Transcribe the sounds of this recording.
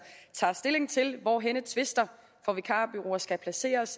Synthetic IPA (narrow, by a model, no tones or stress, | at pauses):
t͡sʰɑ̰̈ːsd̥e̝le̝ŋt͡sʰe̝lʋɒɦenət͡sʰʋe̝sd̥ɐ | fɒʋikʰɑ̈ːb̥yʁo̝̰ːɐsɡ̥æpʰlæse̝̰ːɐs